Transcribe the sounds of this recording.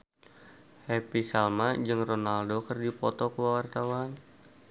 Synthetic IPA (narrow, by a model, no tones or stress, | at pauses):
hɛpisalmad͡ʒɨŋronaldokərdipɔt̪ɔkəwawart̪awan